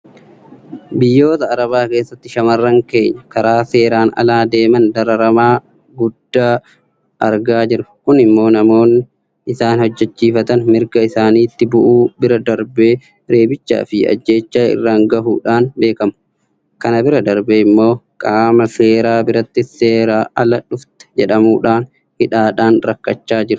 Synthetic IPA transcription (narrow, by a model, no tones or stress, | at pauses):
bɪjːo̞ːt̪ɐːɾɐβaːke̞ːsːɐt̪ːɪʃɐmɐrːɐŋke̞ːɲːɐkɐɾaːse̞ːɾaːnɐ̰laːd̪e̞ːmɐnd̪ɐɾɐɾɐmaː | ɡʊd̪̥ːaː | ɐɾɡaːd͡ʒɪɾɐkʊnɪmːo̞ːnɐmo̞ːn | ɪsaːnhɔd͡ʒːɛt͡ʃːiːfɐt̪ɐnmɪɾɡɐɪsaːniːt̪ːɪbʊʔuːbɪɾɐd̪ɐɾbe̞ː | ɾeːbɪt͡ʃːa̰ːfɪɐ̰d͡ʒːe̞ːt͡ʃːaːɪ̰rːaːŋɡɐɦṵːᶑaːnbe̞ːkɐmʊ̥ | kɐnɐbɪɾɐd̪ɐɾbeːɪmːo̞ːkʼaːmɐse̞ːɾaːbɪɾɐt̪ːɪseːɾaːʔɐlɐᶑʊft̪ɐ̥d͡ʒɛᶑɐmuːᶑaːn | hɪᶑaːᶑaːnɾɐkːɐt͡ʃːaːd͡ʒɪɾʊ̥